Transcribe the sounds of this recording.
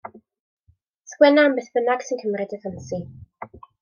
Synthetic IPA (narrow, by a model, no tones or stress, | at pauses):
skwɛnambəθb̥ənaɡ̥sɪnkʰəmrɪdəfənsi